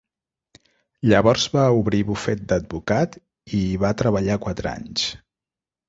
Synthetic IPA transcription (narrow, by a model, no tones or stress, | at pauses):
ʎəβɔɾzβauβɾiβufɛt̪̚d̪əd̪̚bukat̪ | iβat̪ɾəβəʎakwat̪ɾəa̰ɲs